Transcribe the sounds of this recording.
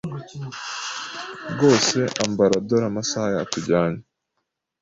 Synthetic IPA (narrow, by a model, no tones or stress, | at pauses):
ɡo̞ːse̞ʔambaɾadoɾamasajaːtuɟaːɲa